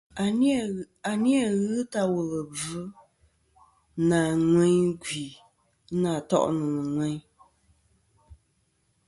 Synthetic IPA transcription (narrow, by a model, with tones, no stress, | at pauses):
a˨ni˦a˦˨ɣɨ˦ta˦wɔ˨lɨ˨b͡vɨ˦ | naː˨ŋwɛ˦ɡi˨˦ | naː˨tɔ̰˦˨ʔnɨ˨nɨ˨ŋwɛ˦ɲ